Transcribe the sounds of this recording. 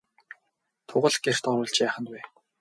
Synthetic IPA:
t̪ʰʊʁə̆ɮɡer̥t̪ɔɾʊːɮt͡ɕjæːχə̆nt̪wæː

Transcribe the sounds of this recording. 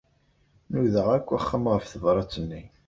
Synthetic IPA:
nuðəʁækʷːæχːəmʁəfθəvɾˤɑt͡sːənːi

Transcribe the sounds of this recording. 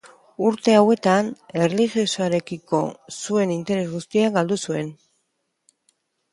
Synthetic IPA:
uɾt̪e̞awe̞t̪ane̞rliʝiosaɾe̞kiko̞sue̞nint̪e̞ɾe̞zɣust̪iaɡald̪usue̞n

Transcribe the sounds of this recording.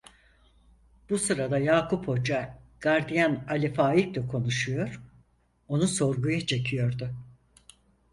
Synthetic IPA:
b̥usɯɾad̪ajaːkupho̞d͡ʒaɡ̥aɾd̪ijanalʲifaːjik̚lɛkʰo̞nuʃujo̞ɾ̥ | o̞nuso̞ɾɡujat͡ʃʰe̞cʰijo̞ɾd̪ʊ

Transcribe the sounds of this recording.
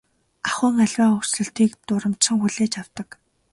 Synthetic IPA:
aχʊːŋaɮʲwaːɵr̥sɮɘ̆ɬt̪iːkt̪ʊɾə̆m̥t͡ɕsə̆ŋxuɮeːt͡ɕaw̥t̪ə̆k

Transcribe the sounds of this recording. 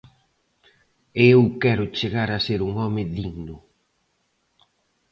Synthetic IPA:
eewkɛɾʊt͡ʃeɣaɾɐseɾuŋɔmɪðiɣnʊ

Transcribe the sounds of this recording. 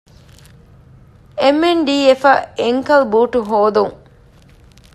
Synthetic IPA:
emːenɖiːefɐeŋkɐlbuːʈuɦoːd̪uŋ

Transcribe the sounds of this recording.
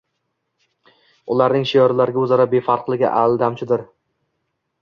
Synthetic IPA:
ʊlˠaɾnɪŋʃijɒɾlaɾɪɡʲaɵzaɾabefaɾqlˠɪɡʲɪ̰ʔald̪amt͡ʃʰɪd̪ɪɾ

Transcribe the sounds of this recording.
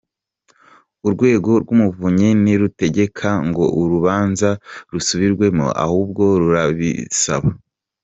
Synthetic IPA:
uɾɡwe̞ːɡo̞ɾɡumuvuɲeniɾute̞ɟe̞kʰaŋɡo̞ʔuɾuβaːnzaɾusuβiɾɡwe̞mo̰ʔa̰huːb̚ɡo̞ɾuɾaβḭsa̰βa

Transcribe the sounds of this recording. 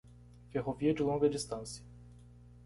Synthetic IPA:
vʲjɛxɔvʲjɛd͡ʒulɔŋɡɛd̪ɘst̪ant̪sʲjɛ

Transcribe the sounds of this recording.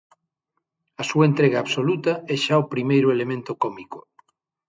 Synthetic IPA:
ɐsuɐent̪ɾeɣaːβsolut̪ɐɛʃaopɾimejɾʊelemẽnt̪okɔmiko

